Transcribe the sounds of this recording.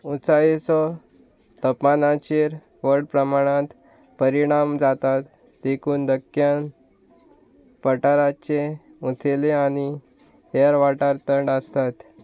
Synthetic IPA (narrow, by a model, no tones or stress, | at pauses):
ut͡sajesɔ | t̪əpːanat͡ɕeɾ | ʋəɾɽpɾəmaɽ̃ãt̪ | pəɾiɽ̃amd͡zat̪at̪ | d̪ekʰuːnd̪əkːjan | pəʈaɾat͡ɕe | ut͡seleaɽ̃i | eɾʋaʈaɾt̪əɳɖəst̪at̪